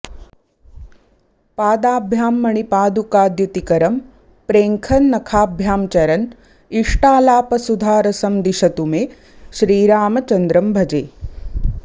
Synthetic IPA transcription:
paːd̪aːbʱjaːmːɐɳ̃ipaːd̪ukaːd̪jut̪ikɐɾɐm | pɾeːŋkʰɐnːɐkʰaːbʱjaːmt͡ʃɐɾɐn | iʂʈaːlaːpɐsud̪ʱaːɾɐsɐmd̪iʃɐt̪umeː | ʃɾiːɾaːmɐt͡ʃɐnd̪ɾɐmbʱɐd͡ʒeː

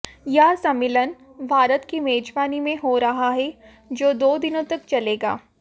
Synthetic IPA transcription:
jaɦsɐmːɪlən | bʱaːɾət̪kimɛːd͡ʒbaːnimẽɦoɾɐɦaɦɛ | d͡ʒoːd̪oːd̪ɪnõt̪ɐkt͡ʃɐleːɡa̰ː

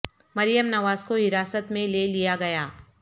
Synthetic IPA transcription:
mɐɾijəmnɐʋaːzkoɦɪɾaːsət̪mẽleːlijaɡɐjaː

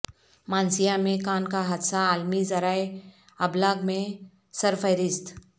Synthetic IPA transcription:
maːnsijamẽkaːnkaɦət̪saːlmizɐɾaːe | ɐblaːɡmẽ | səɾfəɪɾɪst̪

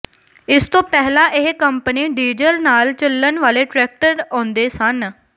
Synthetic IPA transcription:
ɪst̪õːpɛːɦlãːʔɪɦkəmpəniːɖiːd͡ʒəlnaːlt͡ʃəlːənʋaːleːʈɾɛːk̚ʈəɾõːnd̪eːsən

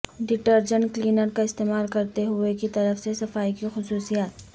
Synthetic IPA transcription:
ɖɪʈəɾd͡ʒə̃ɳkliːnəɾkaɪst̪eːmaːlkɐɾt̪eɦʊekit̪ɐɾəfsesɐfaːikixʊsuːsijaːt̪̚

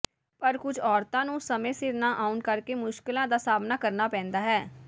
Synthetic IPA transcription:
pəɾkʊd͡ʒʰɔːɾt̪ãːnũːsəmẽːsɪɾnãːʔaːʊnkəɾkeːmʊʃkɪlãːd̪aːsaːbnaːkəɾnaːpɛ̃ːnd̪aːɦɛː

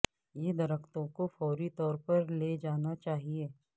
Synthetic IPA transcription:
jed̪ɐɾəkt̪õkofɔːɾit̪ɔːɾpɐɾled͡ʒaːnat͡ʃaːɦieː

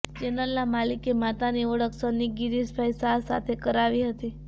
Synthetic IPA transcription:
d͡ʒenəlnamalikemat̪aniəɭəksəniɡiɾisbʱajsasa̰t̪ʰekəɾaʋiɦət̪i

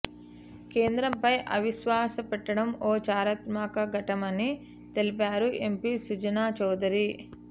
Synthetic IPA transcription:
ke̞ːnd̪ɾɐmpɐjʔɐʋiʃʋaːsɐpɛʈːɐɽɐmoːt͡ʃaːɾɐt̪maːkɐɡɐʈɐmɐni | t̪e̞lipaːɾuʔe̞mpisud͡ʒɐnaːt͡ʃɔːd̪ɐɾi

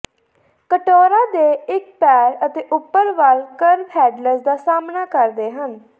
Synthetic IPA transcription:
kəʈoːɾaːd̪eːɪkpɛːɾət̪eːʔʊpːəɾʋaːlkəɾpʰɛːɖləsd̪aːsaːmnaːkəɾd̪eːɦən

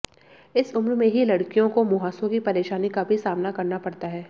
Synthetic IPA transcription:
ɪsʊmɾmẽɦilɐɽkijõkomʊɦaːsõkipɐɾeːʃaːnikabʱisaːmnakɐɾnapɐɽt̪aɦɛː

